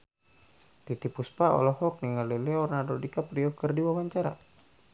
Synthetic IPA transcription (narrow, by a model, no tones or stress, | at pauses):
t̪it̪ipuspaɔ̰lɔɦɔk̚niŋalɛlɛɔrnadodikapɾiɔkərdiwawaɲt͡ʃaɾa̰